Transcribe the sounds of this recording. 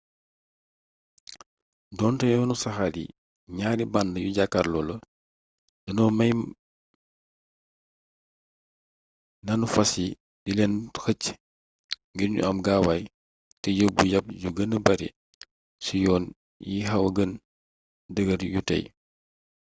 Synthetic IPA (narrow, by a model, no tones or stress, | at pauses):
dɔːntɐjɔnusɐxadḭ | ɲaːdibɐndəjuɟakːarlɔːlɐ | dɐnɔːmɐj | nɐnufɐsi | dilɛnxəc | ŋɡirɲṵɐmɡaːwaj | tɛjəbujɐp̚ɟuɡənəbɐɾḭ | sujɔːn | jiɦɐwɐɡən | dəɡɐɾjutɐ̰j